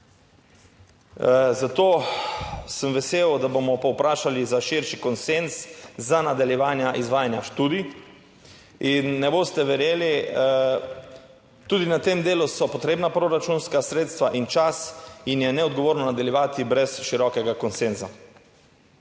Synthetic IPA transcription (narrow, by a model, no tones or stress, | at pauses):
zat̪oː | səmʋɛseːwd̪abomɔpɔwpɾaːʃalizaʃiɾʃikɔnsenszanad̪aljɛʋaːnjaʔizʋaːjanjaʃt̪uːd̪i | inːɛboːst̪ɛʋɛɾjeːli | t̪uːd̪inat̪emd̪eːlusɔpɔt̪ɾeːbnapɾoɾat͡ʃuːnskasɾeːt̪st̪ʋaʔint͡ʃasinjɛnɛɔd̪ɡɔʋoːɾnɔnad̪aljɛʋaːt̪ibɾɛsʃiɾɔkɛɡakɔnsenza